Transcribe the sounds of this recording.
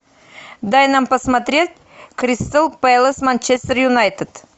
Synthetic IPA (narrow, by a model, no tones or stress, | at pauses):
d̪ajnampɐsmat̪ɾʲet̪̚ʲ | krʲist̪əlˠpajlˠəsmant͡ʃest̪ʲərjunajt̪et̪